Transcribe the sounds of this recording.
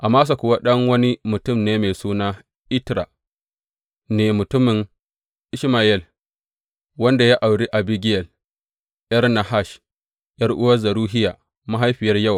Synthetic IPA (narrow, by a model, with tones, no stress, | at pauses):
ʔa˨maː˦s̬a˨kʷʊ˨wa˦ɗɐ˦ŋwɐ˦ni˦mʊ˨tʊ˦˨mneː˦me˨suː˦naː˦ | ʔɪ˦tɾa˨ | neː˨mʊ˨tʊ˦mɪ˨ŋ | ʔɪ˦ʃma˨jɛ˦˨l | wɐ˦nda˨ja˦ʔa˨wɽi˦ʔa˨bi˦ɡʲɪ˦jɛ˨l | jɐ˦rna˨ha˦˨ʃ | jɐ˦rʔʊ˦wɐ˦zɐ˨ɾuː˦ɦɪ˦jaː˨ | ma˦ɦa˦jɸɪ˨jɐ˦rjɐ˦˨w